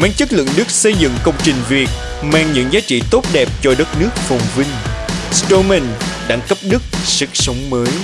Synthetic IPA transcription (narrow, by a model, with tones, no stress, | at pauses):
maː˨˧˦ŋt͡ɕɨ˦˥t̚lɨ̰˧˨ŋɗɨ˦˥k̚sə˧jzɨ̰˧˨ŋkə˧wŋ͡mt͡ɕï˨˩ŋ̟vi˨˩ət̚ | ma˧˩ŋɲɨ̰˧˥ŋzaː˨˦t͡ɕḭ˧˥t̪o˦˥t̚ɗɛ˨˩p̚t͡ɕɔ˧ɗə˦˥t̚nɨ˦˥ək̚fɔ˨˩wŋ͡mvï˧ŋ̟sto˧mɛ˨˩nɗa̰ː˧˥ŋkə˦˥p̚ɗɨ˦˥k̚sɨ˨˩k̚sə˨˦wŋ͡mməː˨˦j